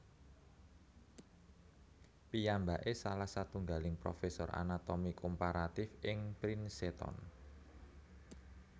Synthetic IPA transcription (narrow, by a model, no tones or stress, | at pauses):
pijambaʔesalahsat̪uŋɡalɪŋpɾo̰fesɔra̰nat̪omikʰompaɾat̪ɪfɪŋpɾinset̪ɔ̰n